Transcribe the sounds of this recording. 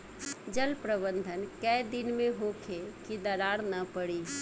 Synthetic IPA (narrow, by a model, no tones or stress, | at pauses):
d͡ʒəlpɾəbə̃nd̪ʱənkəɪd̪ɪnmẽɦokʰekid̪ɐɾaːɾnəpəɽiː